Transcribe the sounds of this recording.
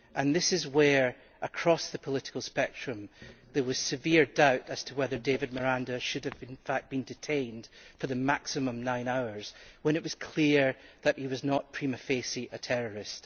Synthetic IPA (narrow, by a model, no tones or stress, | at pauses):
ʔə̃nðɪsɪzwə˞ | ʔəkʰɹ̥ɔsðəpʰəlˠɪʔɪ̥kəlˠspɛk̚tɹ̥ɨ̃mðə˞wʌz̥sɨviɹdaʊʔəz̥tʰəwɛðə˞devɪd̚mə˞ãndəʃʉdɨvɪ̃nfak̚b̥ĩndɪtʰẽɪ̃nd̥fə˞ðəmaksɨmə̃mnãɪ̃naʊə˞z̥wə̃ñɪʔwʌz̥kʰl̥iɹðəʔhiwʌznəʔpʰɹ̥iməfesiʔətʰɛɹə˞ɪst